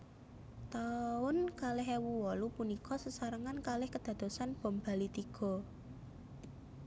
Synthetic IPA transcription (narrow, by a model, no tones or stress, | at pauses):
t̪aʊnkalɪɦewuwɔlupunikɔsəsaɾəŋankalɪhkəd̪̥ä̤d̪̥o̤sanb̥ɔ̤mb̥a̤lit̪iɡ̥ɔ̤